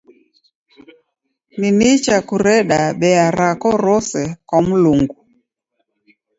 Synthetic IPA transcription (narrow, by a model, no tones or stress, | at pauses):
ninit͡ʃakuɾɛɗaɓɛaɾakɔɾɔsɛkwam̩luŋɡu